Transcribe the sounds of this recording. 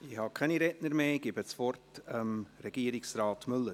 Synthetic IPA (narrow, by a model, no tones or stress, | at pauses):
ɪhɑkʰɛniɾɛtnəɾmeːɡ̥ɪbət͡sfɔrtəmɾɛɡ̥iːəɾɪksrɑːtmʏlːəɾ